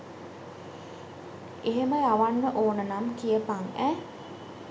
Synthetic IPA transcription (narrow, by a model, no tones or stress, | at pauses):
eɦeməjaʋanːəʔoːnənamkijəpaŋæ